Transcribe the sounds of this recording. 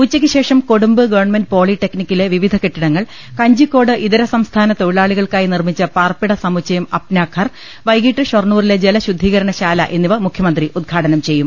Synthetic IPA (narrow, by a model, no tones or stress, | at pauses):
ut͡ɕːɐkʲːɨɕe̞ːʂɐmkoɽumbɨɡɐʋɐrɳmenɖɨpo̞ːɭiʈːe̞knikʲːile̞ʋiʋid̪ʱɐkeʈːiɽɐŋːɐɭ | kɐɲd͡ʑikːo̞ːɽɨʔiðɐɾɐsɐmst̪ʰaːnɐt̪o̞jiɭaːɭiɣɐɭkaːjinirmit͡ɕːɐpaːrpiɽɐsɐmut͡ɕːɐjɐmɐpnaːkʰːɐr | ʋɐjɡiːʈːɨɕɐrɳuːrile̞d͡ʑe̞lɐɕud̪ʱiːɣɐɾɐɳɐɕaːlɐʔe̞nːiʋɐmukʰjɐmɐnd̪riʔud̪̚ɡʰʱaːʈɐnɐmt͡ɕe̞jːum